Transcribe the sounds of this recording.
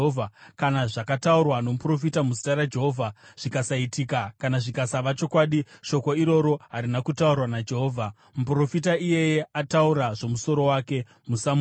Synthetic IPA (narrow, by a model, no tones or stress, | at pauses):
vʱakanaʐakataurwano̞mupro̞fitamusitaɾad͡ʒe̞ɦoːvʱaʐ̥ikasaitikakanaʐikasaʋat͡ʃo̞kwaɗiʃo̞ko̞iɾo̞ɾo̞ɦaɾinakutaurwanad͡ʒe̞ɦoːvʱa | mupro̞fit̬aije̞je̞atauɾaʐo̞muso̞ɾo̞waːke̞ | musam